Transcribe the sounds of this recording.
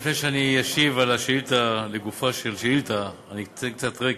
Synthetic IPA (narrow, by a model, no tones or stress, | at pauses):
flɛʃaniaʃivalaʃilt̪aleɡufaʃelʃilt̪aanit̪ɛŋt̪at̪ʁe